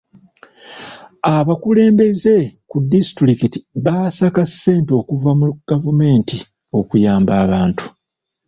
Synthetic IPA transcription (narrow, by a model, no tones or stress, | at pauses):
aβakule̞ːmbe̞ze̞kudisitɾikitiβasakasːe̞ːnto̞ːkuvamuɡ̥avume̞ːnti | o̞kujaːmbaːβaːntu̥